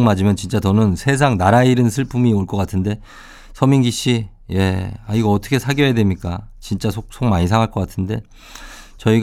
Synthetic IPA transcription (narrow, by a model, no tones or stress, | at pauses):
ŋmad͡ʑimjʌnt͡ɕint͡ɕ͈atʌnɯnsʰe̞s̬ʰaŋnaɾaiɾɯnsʰɯɭpʰumioɭk͈ʌk͈atʰɯnde̞ | sʰʌmiŋɡiɕ͈i | je̞aiɡʌːtʰʌ̥kʰe̞sʰaɡjʌjadwe̞mɲik͈a̰t͡ɕint͡ɕ͈asʰok̚sʰoŋmaɲis̬ʰaŋɦaɭk͈ʌk͈atʰɯnde̞ | t͡ɕʌiɡ